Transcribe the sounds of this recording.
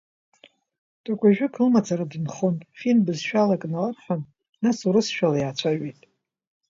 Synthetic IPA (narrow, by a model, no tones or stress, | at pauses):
tʼakʷʼaʒᶣʊkʰɨlmat͡sʰʼaɾadinχontʼfinbɨzʃᶣalakʼnalarħʷan | nasuɾɨsʃᶣalajat͡ɕʷʰaɥijtʼ